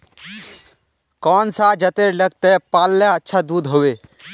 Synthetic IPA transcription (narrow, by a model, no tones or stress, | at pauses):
kɔːnsad͡ʒət̪eɾləɡ̚t̪epaːlːeətːʃʰad̪ud̪ɦoːwe